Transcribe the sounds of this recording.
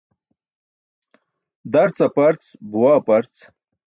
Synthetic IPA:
d̪ɐɾt͡sɐpɐɾt͡sbuwapɐɾt͡s

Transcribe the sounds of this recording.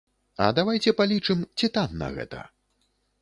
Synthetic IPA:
ɐ̰d̪avajt͡sʲɛpalʲit͡ʂɨmt͡sʲit̪anːɐ̰ɣɛ̰t̪ɐ̰

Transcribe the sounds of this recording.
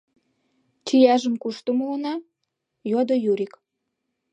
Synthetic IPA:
t͡ɕijɑʒəmkuʃt̪umolənɑ | jod̪ojuɾik

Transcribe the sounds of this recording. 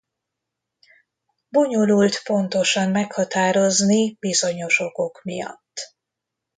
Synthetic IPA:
bo̞ɲo̞lult̪po̞nt̪o̞ʃɒmːmɛkhɒt̪aːɾo̞znibizo̞ɲo̞ʃo̞ko̞kmijɒ̰t̪ː

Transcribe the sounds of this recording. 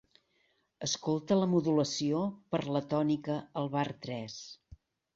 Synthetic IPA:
əskolˠt̪ələmuðuləsiopəɾlət̪ɔnikəəlˠβart̪ɾɛs

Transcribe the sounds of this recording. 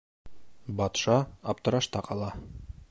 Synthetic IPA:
bɒt̪ʃɑɒp̚t̪ɤ̆ɾɑʃt̪ɑqʰɒlˠɑ

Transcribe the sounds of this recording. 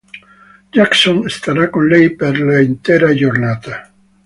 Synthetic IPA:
d͡ʒaksɔnst̪aɾakːonlɛjperlaint̪eːɾad͡ʒornaːt̪a

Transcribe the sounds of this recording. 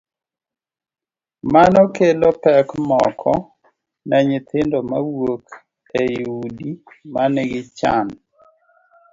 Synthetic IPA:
manɔkelɔpɛkmɔkʰɔ | nɛɲɪt̪ʰɪndɔmawok | ejudi | manɛɡɪt͡ʃa̰n

